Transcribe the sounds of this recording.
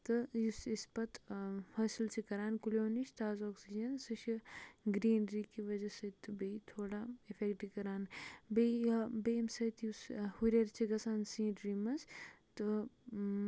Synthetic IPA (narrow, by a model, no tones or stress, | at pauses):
t̪ɨjusispɐt̪fɐːsilt͡ʃʰikɐɾaːnkulʲjoːniʃt̪aːzoːksid͡ʒɐnsɨt͡ʃʰiɡɾiːnɾiːkiʋɐd͡ʒɐsɐt̪ːɨbɐit̪ʰoːɽaifʰekʈikɐɾaːnbeɐbeːmsɐt̪jushuɾeɾt͡ʃʰiɡɐsaːnsĩːɖɾiːmɐs | t̪ɨ